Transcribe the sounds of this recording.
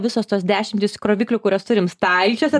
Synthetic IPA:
ʋʲɪsoːst̪oːsd̪ʲæːʃʲɪmʲt̪ʲɪskɾoːʋʲiːklʲʊkʊɾʲoːst̪ʊɾʲɪmst̪ɐɪt͡ʃʲoːsʲɛ

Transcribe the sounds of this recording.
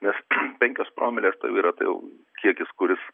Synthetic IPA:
nʲɛspʲɛŋʲkʲoːspɾʔoːmʲɛlʲeːst̪ɐɪʊiːɾɐt̪ɐ̰ɪjɛ̰ʊ | kʲiɛkʲɪskʊɾʲɪs

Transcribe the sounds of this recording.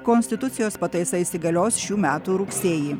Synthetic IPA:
konʲsʲt̪ʲɪt̪ʊt̪sʲɪjoːspɐt̪ɐɪsɐɪsʲɪɡɐlʲoːsʃʲuːmʲæːt̪uːɾʊkʲsʲeːjiː

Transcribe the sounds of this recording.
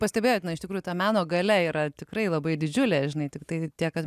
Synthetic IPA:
pɐsʲtʲɛbʲeːjoːt̪ʲnɐɪʃt̪ʲɪkɾujʊt̪ɐmʲæːnoːɡɐlʲɛiːɾɐt̪ʲɪkrɐɪlˠɐbɐɪd̪ʲɪd͡ʒʲʊlʲeːʒʲɪnɐɪt̪ʲɪkt̪ɐɪt̪ʲiɛkɐt̪

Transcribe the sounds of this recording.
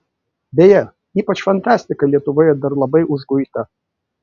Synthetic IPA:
bʲejɛ | iːpɐt͡ʃfɐnt̪ɑːsʲt̪ʲɪkɐlʲiɛt̪ʊʋoːjɛd̪ɐɾlˠɐbɐɪʔʊʒɡʊɪt̪ɐ

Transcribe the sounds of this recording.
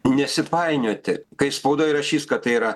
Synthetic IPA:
nʲɛsʲɪpɐɪnʲoːt̪ʲɪkɐɪspɐʊd̪oːjɾɐʃʲiːskɐt̪t̪ɐɪiɾɐ

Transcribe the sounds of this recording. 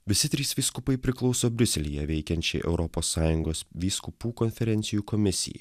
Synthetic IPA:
ʋʲɪsʲɪt̪ʲɾʲiːsʋʲiːskʊpɐɪpʲɾʲɪklˠɒʊsoːbʲɾʲʊsʲɛlʲɪjɛʋʲɛɪkʲɛnʲt͡ʃʲɛ̰ɪʔɛ̰ʊɾɔpoːsːɑːjʊŋɡoːsʋʲiːskʊpuːkɔnʲfʲɛɾʲɛnt̪sʲɪjuːkɔmʲɪsʲɪ̰jɛ̰ɪ

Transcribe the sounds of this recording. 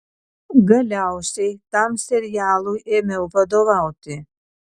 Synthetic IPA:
ɡɐlʲawsit̪amsɛɾijaːlˠujʔɛmɛwpʰad̪ɔvawt̪ʰʼi

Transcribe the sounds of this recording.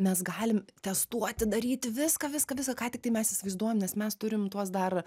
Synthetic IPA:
mʲɛsɡɑːlʲɪmt̪ʲɛst̪uɔt̪ʲɪd̪ɐɾʲiːt̪ʲɪʋʲɪskɐʋʲɪskɐʋʲɪskɐkɑːt̪ʲɪkt̪ɐɪmʲɛsisʲɪʋɐɪzd̪uɔjomnʲɛsmʲɛst̪ʊɾʲɪmt̪uɔs̬d̪ɐr

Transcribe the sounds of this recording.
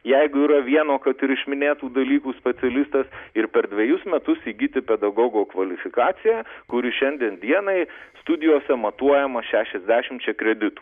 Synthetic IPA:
jɛɪɡʊiːɾɐʋʲiɛnoːkɐt̪ɪɾɪʃʲmʲɪnʲeːt̪uːd̪ɐlʲiːkuːsʲpʲɛt̪sʲɛlʲɪst̪ɐsɪɾpʲɛɾd̪ʲʋʲɛjʊsmʲɛt̪ʊsiːɡʲit̪ʲɪpʲɛd̪ɐɡoːɡoːkʋɐlʲɪfʲɪkɑːt̪sʲɪjæːkʊɾʲɪʃʲɛnʲd̪ʲiɛnd̪ʲiɛnɐɪst̪ʊd̪ʲɪjoːsʲɛmɐt̪uɔjɛmɐʃʲæːʃʲɛzʲd̪ʲæːʃʲɪmt͡ʃʲɛkɾʲɛd̪ʲɪt̪uː

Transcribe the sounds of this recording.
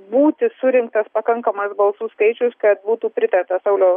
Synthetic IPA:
buːt̪ʲɪsʊɾʲɪŋk̚t̪ɐspɐkɐŋkɐmɐsbɐlˠsuːskɐɪt͡ʃʲʊskɐt̪̚buːt̪uːpʲɾʲɪt̪ɐrt̪ɐsɐʊlʲoː

